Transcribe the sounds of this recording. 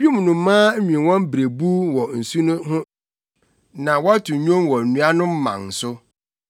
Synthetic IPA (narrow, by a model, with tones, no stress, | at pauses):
bi˦mũ˨nʊ̃˨m̩˦mãː˦m̩˦mĩ˨wɔ̃˦m˦bɾe˨bu˦wɔ˨n̩˨su˦nʊ̃˦ɦʊ̃˦ | nã˨wɔ˦tʰʊ̃˨ɲᶣõ˦mwɔ˨n̩˨nũ˨˦a˦nʊ̃˦m̩˦mã̰˨n˨sʊ˦